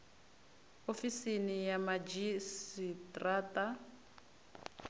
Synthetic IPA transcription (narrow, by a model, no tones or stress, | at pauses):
ofisinijamad͡ʒisitʼraːta